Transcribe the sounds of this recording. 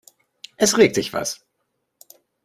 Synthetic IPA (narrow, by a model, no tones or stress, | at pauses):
ʔɛsʁeːk̚tɪçv̥a̰s